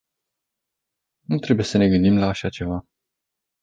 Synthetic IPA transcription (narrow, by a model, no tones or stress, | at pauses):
nut̪ɾe̞buje̞səne̞ɡɨnd̪imlaːʃat͡ʃe̞va